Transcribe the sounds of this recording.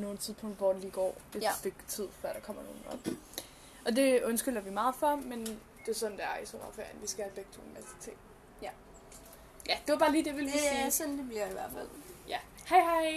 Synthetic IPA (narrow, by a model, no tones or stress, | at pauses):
no̝ːl̩t͡sʰiðˠspʰɔ̽ŋd̥ʋɒ̰d̥eliːɡ̥ɒ̰ːʋe̥ife̝ɡ̥t͡sʰið̞̰ˠfɶɐɾ̥ɑ̈kʰɒ̽m̰ɐno̝ːn̩ɒ̥ | ʔɒ̽d̥e̝ɔ̽nsɡ̥yl̰ɐʋimɑ̈ːð̩ˠfɒmen | d̥e̝æɐsɒ̽n̩d̥eæɐisɒ̰mɐfæɐ̰n̩ʋisɡ̥æhæbeɡ̥̚t͡sʰoniʋæsi̥t͡sʰe̝̰ːd̥ | jæd̥e̝ʋɑb̥ɑ̈ːliːd̥eʋelsɒnd̥eb̥liɐ̰iʋæɐfæl̰jæ | hɑɪɦɑɪ